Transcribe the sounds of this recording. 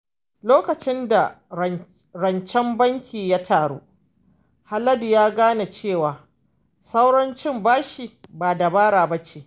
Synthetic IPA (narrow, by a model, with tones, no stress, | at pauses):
loː˦kɐ˨t͡ʃɪ˦nda˨ | ɾɐ˨nt͡ʃɛ˦mbɐ˦ŋkʲʰiː˨ja˦tʰaː˨ɽṵː˦ | ha˦lɐ˦du˨jaː˦ɡaː˦na˨t͡ʃeː˦˨waː˨ | sa˦wɽɐ˦nt͡ʃɪ˦mbaː˦ʃi˨baː˨da˨baː˦ɽaː˨bɐ˦t͡ʃeː˨